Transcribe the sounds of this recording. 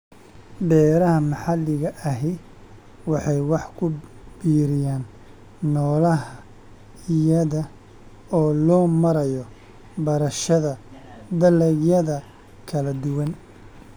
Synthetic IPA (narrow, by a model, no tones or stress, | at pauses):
bɛːɾɐhɐmɑħɑlːɪɣɐʔɐɦɪ | wɑħɑjwɑħkʰʊb̥iːɾɪjaːnː | ɔːlɐɦɐ | jɐðɐ | ɔːlɔːmɐɾɐjɔ | bɐɾɐʃɐðɐd̪ɐlɛɣjɐðɐ | kʰɐlɐd̪ʊwɐn